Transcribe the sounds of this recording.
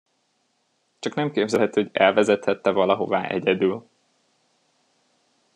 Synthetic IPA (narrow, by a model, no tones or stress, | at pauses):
t͡ʃɒknɛmkeːbzɛɛt̪ihoɟɛlvɛzɛt̪hɛt̪ːɛvɒlɒɦo̞vaːʔɛɟɛd̪yl